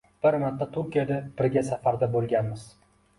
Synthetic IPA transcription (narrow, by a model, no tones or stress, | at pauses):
b̥ɪɾmat̪ʰːat̪ʰʊɾkʲijad̪ab̥ɪɾɡʲasafaɾd̪abolˠɡʲanmɪz̥